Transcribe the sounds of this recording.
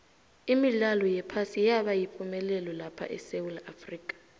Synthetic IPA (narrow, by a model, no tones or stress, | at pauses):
imilalɔjɛpʰasijaɓajipʰʼumɛlɛlɔlapʰa̰ʔɛ̰sewulafriːkʼḁ